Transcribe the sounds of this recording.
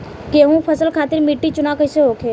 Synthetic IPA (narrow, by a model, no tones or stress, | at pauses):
keːɦũpʰɐsəlkʰaːt̪ɪɾmiʈːit͡ʃʊnakəɪseɦoːkʰeː